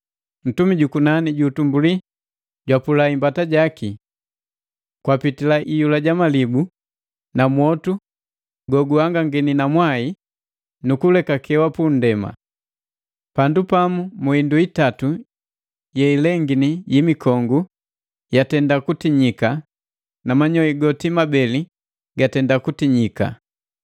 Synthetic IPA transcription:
n̩tumiɟukunaniɟutumbuli | ɟwapulaimbataɟaki | kwapitilaʔijulaɟamalibu | namwɔtu | ɡɔɡuhaŋɡaŋɡininamwai | nukulɛkakʰɛwapun̩dɛma̰ | pandupamumuinduitatu | jɛilɛŋɡinijimikʰɔŋɡu | jatɛndakutiɲika | namaɲɔiɡɔtimabɛli | ɡatɛndakutiɲika̰

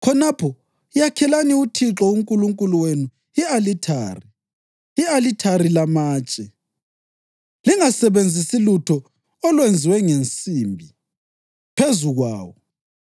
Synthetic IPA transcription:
kʰɔnapʰɔ | ijakʰɛlaniutʰiǁɔuŋkʼuluŋkʼuluwenu | ialitʰa̰ːri | ialitʰarilamaːt͡ʃʼɛ | liŋasɛβend͡zʱisilutʰɔ | ɔlwend͡zʱiwɛŋent͡sʼiːmbʱi | pʰezuɣwa̰ːwɔ

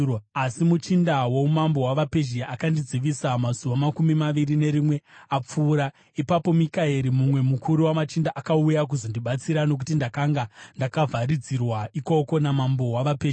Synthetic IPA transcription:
asimut͡ʃindawomambo̞waʋape̞ʒiaʔakandid͡ziʋisamazuʋamakumimaʋiɾine̞ɾimwe̞ap͡fuːɾa | ipapo̞mikaeɾimumwe̞mukʰuɾiwamat͡ʃindaʔakaujak̬uzondiɓat͡siɾano̞k̬utindakaŋɡandakavʱaɾid͡zirwaiko̞ko̞namambo̞waʋapea

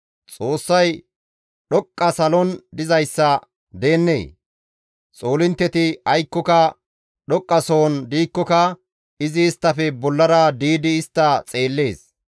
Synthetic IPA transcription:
t͡sʼo̞ːsːɐj | ɗɔkʼːɐsɐlɔnd̪ɪzɐjsːɐ | d̪e̞ːnːe̞̰ː | t͡sʼo̞ːlɪnt̪ːɛt̪ɪɐjkːɔkɐ | ɗɔkʼːɐso̞ːnd̪iːkːɔkɐ | ɪzɪːst̪ːɐfɛbɔlːɐɾɐd̪iːd̪ɪːst̪ːɐt͡sʼe̞ːlːe̞ːs

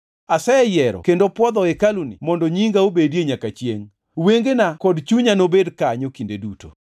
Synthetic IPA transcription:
asɛɛjɛɾɔ̰kendopwɔd̪ɔɛkalunimɔndɔɲiŋɡaobedieɲakat͡ʃjḛŋ | weŋɡenakɔdt͡ʃuɲanobedkaɲokindeduto̰

